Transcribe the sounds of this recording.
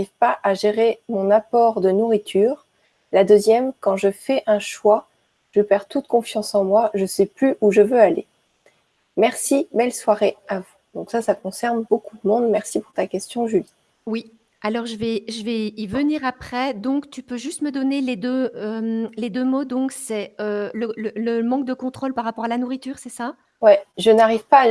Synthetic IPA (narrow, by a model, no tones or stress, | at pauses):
ivpaʔaʒeʁemɔ̃napɔʁd̪ənuʁit̪ʰyːʁ | lad̪øzjɛmkɑ̃ʒəfɛʔɛ̃ʃwa | ʒ̥əpɛʁt̪ut̪kɔ̃fjɑ̃sɑ̃mwaʒəsɛplyʔuʒəvøale | mɛʁsibɛlswaʁeavud̪̥ɔ̃ksasakɔ̃sɛʁnbokud̪əmɔ̃d̪mɛʁsipuʁt̪akʲɛst̪jɔ̃ʒyli | wi | alɔʁʒəvɛʒəvɛivəniʁapχɛd̪ɔ̃kt̪ypøʒyst̪məd̪ɔneled̪øømled̪ømod̪ɔ̃ksɛølələləmɑ̃k̚d̪əkɔ̃t̪χolpaʁapɔʁalanuʁit̪yːʁsɛsa | wɛʒənaʁivpa